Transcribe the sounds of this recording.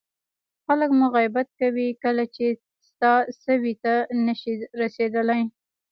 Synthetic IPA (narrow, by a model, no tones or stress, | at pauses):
xaləkmʊɣajbat̪̚kawikəlat͡ʃe | st̪ɑsəwit̪anəʃiɾased̪əlaj